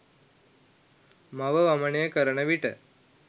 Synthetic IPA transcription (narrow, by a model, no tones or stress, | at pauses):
mɐʋɐʋɐmɐɳejɐkɐɾɐɳɐʋiʈɐ̰